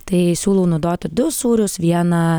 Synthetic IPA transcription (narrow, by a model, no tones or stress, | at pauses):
t̪ɐɪsʲuːlˠuːnuɔd̪oːt̪ʲɪd̪ʊsuːɾʲʊsʋʲiɛnɐ